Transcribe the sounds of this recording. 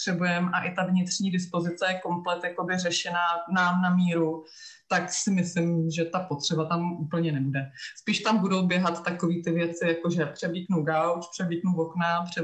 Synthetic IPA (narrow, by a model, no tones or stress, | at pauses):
r̥ɛbujɛmʔaʔɪt̪avɲɪt̪r̥ɲiːdɪspo̞zɪt͡sɛjɛko̞mplɛt̪jako̞bɪrɛʃɛnaːnaːmnamiːɾu | t̪aksɪmɪslɪmʒɛt̪apot̪r̝̥ɛbat̪amʔuːpl̩ɲɛnɛbudɛspiːʃt̪ambudo̞wbjɛɦat̪ːako̞viːt̪ɪvjɛt͡sɪjakoʒɛpr̥ɛbliknuɡawt͡ʃpr̝̥ɛbliknuvoknapr̥ɛ